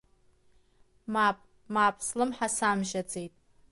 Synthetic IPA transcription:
mapʼ | mapʼslɨmħasamʒad͡zʼejtʼ

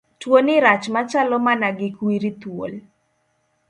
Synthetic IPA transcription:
twonɪɾat͡ʃmat͡ʃalɔmanaɡɪkwiɾit̪wo̰l

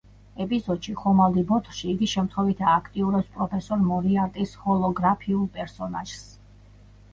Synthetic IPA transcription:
ɛpʼizɔd̪̥ʃiχɔmald̪ibɔt̪ʰʃiːɡiʃɛmt̪χwɛvit̪ʰaːkʰt̪ʼiuɾɛpspʼɾɔpʰɛsɔɾmɔɾiaɾt̪ʼishɔlˠɔɡɾapʰiulˠpʼɛɾsɔnaʒ̥s

